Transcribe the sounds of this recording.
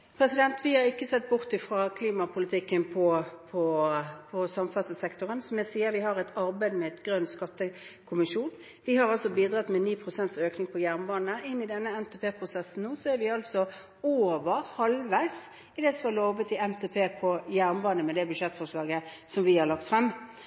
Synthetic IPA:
pʰɾɛsɪd̪ɛnt̪ʋɪhɑʁɪkːəsɛt̪̚ːbʊʁt̪ɪfʁɑkʰliːmɑpʰʊlɪt̪ʰɪkːənpʰɔpʰɔpʰɔsɑmfɑsəsɛkt̪ʊʁənsɔmjɛsiːəʋɪhɑʁɛt̪ʰɑɾbæɪd̪mɛɛt̪ɡɾœnt̪skɑt̪ːəkʰʊmɪʂuːn | ʋɪhɑʁɑlsɔbiːd̪ʁɑt̪mɛniːpʰʁʊsɛnt̪søːknɪŋpʰɔjæʁnbɑːnəʔɪnːɪd̪ɛnːəɛmt̪ʰɛːpʰeːpʰʁʊsɛsːn̩nuːsɔæɾʋɪɑlsɔ | oːʋəɾhɑlʋæɪs | ɪd̪ɛːsɔmɑloːʋət̪ɪɛmt̪ʰɛːpʰeːpʰɔjæʁnbɑːnəmɛd̪ɛbʉʃɛt̪ːfɔʁʂlɑːɡə | sɔmʋɪhɑʁlɑkt̪fʁɛmː

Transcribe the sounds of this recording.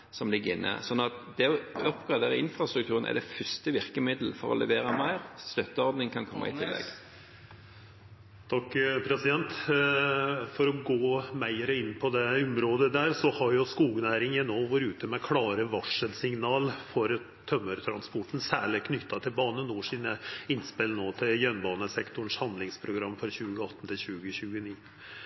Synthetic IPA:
sɔmlɪɡːəɪnːʔə̰sɔnːɑt̪d̪ɛɔɔpːɡɾɑd̪eːɾəɪnfɾɑst̪ɾʉk̚t̪ʰʉːʁənʔɛ̰d̪ɛfʏst̪əʋɪʁkəmɪd̪l̩fɔɾɔ̰lʔɛ̰ʋeːɾəmæɪʁst̪œt̪ːəɔɾd̪nɪŋkʰɑnkʰɔmːɑ̰ɪ̰t̪ʰɪlːɛ̰ɡ | t̪ʰɑkːpʰɾɛsɪd̪ɛnt̪ | fɔɾɔɡoːmæɪəɾəɪnːpʰɔd̪ɛʊmɾoːd̪əd̪æːɾsɔhɑɾjʊskuːɡnæːɾɪŋənoːʋɔɾʉːt̪əmɛkʰlɑːɾəʋɑʂəlsɪŋnɑːlfɔɾ | t̪ʰœmːəɾt̪ʰɾɑnspɔʈːn̩sæːɭɪkʰnʏt̪ʰːɑt̪ʰɪlbɑːnənuːʂiːnəɪnspɪlnoːt̪ʰɪljœnbɑːnəsɛkt̪ʊɳʂhɑnd̪lɪŋspʰɾʊɡɾɑmːfɔɾçʉːɡəɑt̪ːn̩t̪ʰɪlɕʉːɡəɕʉːɡəniː

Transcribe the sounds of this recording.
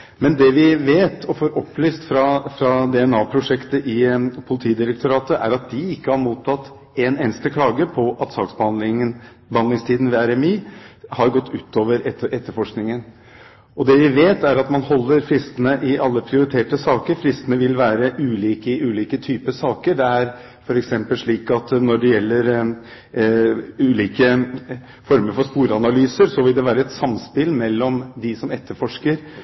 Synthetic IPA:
mɛnd̪ɛʋɪʋeːt̪ʰɔfoːɾɔpːlyːst̪fɾɑfɾɑd̪ɛɛnɑːpʰɾʊʂɛkt̪əʔɪpʰʊlɪt̪ʰiːd̪ɪɾək̚t̪ʊɾɑːt̪əʔæ̰ɾɑt̪̚d̪ɪɪkːəhɑɾmuːt̪ʰːɑt̪ː | eneːnəst̪əkʰlɑːɡəpʰɔʔɑt̪sɑːksbəɑnd̪lɪŋə | bəhɑnd̪ɪŋst̪ʰiːd̪n̩ʋɛæɾɛmiːhɑɾɡɔt̪ːʉːt̪ːoːʋəɾɛɛt̪ːəɾfɔʂknɪŋən | ɔd̪ɛʋɪʋeːt̪æɾɑt̪mɑnhɔlːəɾfɾɪst̪ənəʔɪʔɑlːəpʰɾɪʊɾɪt̪ʰeːʈəsɑːkəɾfɾɪst̪ənəʋɪlʋæːɾəʔʉːliːkəɪʔʉːliːkət̪ʰyːpəsɑːkəɖɛæɾ | fɔɾɛksɛmpəlʂɭiːkɑt̪nɔɖɛjɛlːəɾ | ʉːliːkə | fɔɾməɾfɔspuːɾɑnɑlyːsəɾsɔʋɪld̪ɛʋæːɾəɛt̪sɑmspɪlmɛlːɔmd̪ɪsɔmɛt̪ːəɾfɔʂkəɾ

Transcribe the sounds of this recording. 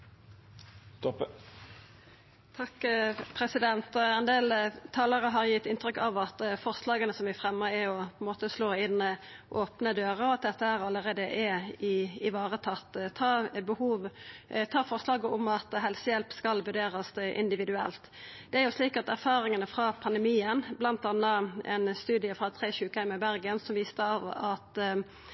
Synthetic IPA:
t̪ɔp | t̪ʰɑkːpʰɾɛsɪd̪ɛnt̪ɛnd̪eːlt̪ʰɑːləʁəɦɑɾjɪt̪ːɪnt̪ʁʏkːɑʋɑt̪fɔʁslɑːɡənəsɔmʋɪfʁɛmːəɾæɔpʰɔɛnmoːt̪əsloːɪnːə | ʔoːpnəd̪øːʁəɔɑt̪̚d̪ɛt̪ːəæʁɑlːəʁeːd̪əʔɛɪɪʋɑːʁət̪ʰɑt̪ːt̪ʰɑːbəhuːʋt̪ʰɑːfɔʁslɑːɡəʔɔmɑt̪ɦɛlsəjɛlpskɑlʋʉʁɖ̪eːʁɑsʔɪ̰nd̪ɪʋɪd̪ʉɛ̰lt̪ | d̪̥ɛæɾjʊsliːkɑt̪æɾfɑːɾɪŋənəfɾɑpʰɑnd̪əmiːənblɑnt̪ɑnːəʔɛ̰nst̪ʉːd̪ɪəfɾɑt̪ʰʁeːɕʉːkəhæɪməbæɾɡənsɔmʋiːst̪əɑʋɑt̪

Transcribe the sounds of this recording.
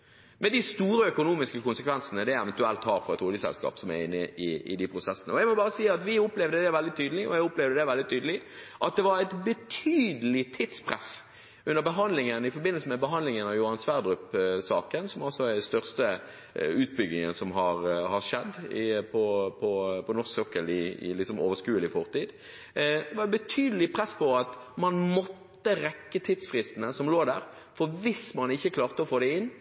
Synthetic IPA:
mɛd̪ɪst̪uːɾəœkʊnuːmɪskəkʊnsəkʰʋɛnsənəd̪ɛɛʋɛnt̪ʉɛlt̪hɑːɾfɔɾɛt̪huːləsɛ̰lskɑ̰ːpsɔmæɛnɪʔɪɪ̰d̪ɪpʰɾʊsɛsːənəɔæɪmɔbɑːɾəsiːɑt̪ʋɪʊplɛvd̪əd̪ɛʋɛld̪ɪt̪ʰyːd̪əlɪʔɔ̰æʊplɛʋd̪əd̪ɛʋɛld̪ɪt̪ʰyːd̪əlɪʔɑt̪̚d̪ɛʋɑɾæɪt̪bət̪ʰyːd̪əlɪt̪ʰɪt̪spʰɾɛ̰s | ʉnːəbəɦɑnd̪lɪŋənɪfɔɾbɪnəlsəmɛbəɦɑnd̪lɪŋənɑʋjʊhɑnsʋæʁd̪ʁʉpsɑːkənsɔmɑlsɔæɛst̪œʁst̪ə | ʉːt̪̚bʏɡ̪ɪŋənsɔmɦɑɾhɑɾʂɛd̪ːɪpʰɔpʰɔpʰɔnɔʁsøkəlɪɪ̰lɪksɔmoːʋəskʉːəlɪfɔʁt̪iːd̪ | ʋɑbət̪ʰyːd̪əlɪpʰɾɛspɔɑt̪mɑnmɔt̪ːəɾɛkːət̪ʰɪd̪sfʁɪst̪ənəsɔmloːd̪æːɾ | fɔʋɪsmɑnɪçːəkʰlɑːʁt̪əɔfoːd̪ɛɪnː

